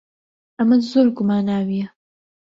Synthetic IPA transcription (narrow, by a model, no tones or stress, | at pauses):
ʔɐmɐzoːɾɡʊmaːnaːwijɐ